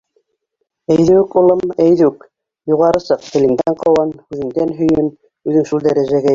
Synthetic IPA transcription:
æjðɘkulˠɤmæjðʉk | juʁɑɾɤ̆sɤq̚t̪ɘ̆lɘ̆ŋd̪æɴqɤ̆wɑnhʉðɘ̆ŋd̪ænɦɵ̆jɘm | ʉðɘŋʃulˠd̪æɾæʒæɡæ

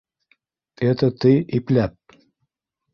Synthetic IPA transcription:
et̪ə̆t̪iiplæp̚

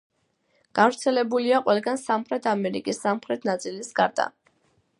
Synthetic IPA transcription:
ɡ̥avɾt̪sʰɛlɛbuliaqʼwɛlˠɡansamχɾɛt̪ʰamɛɾḭkʼisːamχɾɛt̪ʰnat̪sʼilisɡaɾd̪a̰

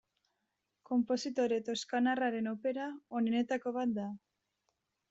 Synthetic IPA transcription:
ko̞mpo̞sit̪o̞ɾe̞t̪o̞skanaraɾe̞nope̞ɾaonene̞t̪ako̞βat̪̚d̪a

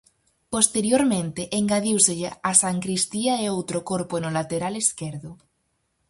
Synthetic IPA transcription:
post̪eɾjoɾmẽnt̪eʔːŋɡaðiwseʎeasaŋkɾist̪iaeowt̪ɾokoɾpoenolat̪eɾale̞skeɾðo

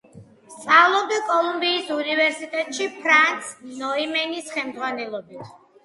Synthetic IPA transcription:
st̪sʼalˠɔbikʼɔlˠumbiːsunivɛɾsit̪ʼɛt̪ʼʃipʰɾant̪sʰnɔimɛnisχɛmd̪zʁwanɛlˠɔbit̪ʰ

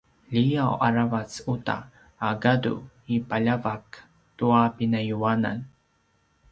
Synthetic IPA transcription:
ʎijawʔaɾavat͡suta̰ː | ɡadṵ | ipaʎavak | tuapinajuana̰n

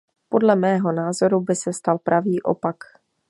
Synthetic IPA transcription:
po̞dlɛmɛːɦo̞naːzo̞ɾubɪsɛst̪alpɾʔaviːʔo̞̰pak

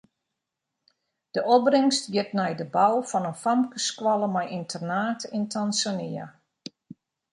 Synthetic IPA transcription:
d̥əʔɔbrɪŋstjɪtnɛjdəbawfɔnənfamkəskwɔlˠəmɛjintʰərnaːtintʰansaniə̰

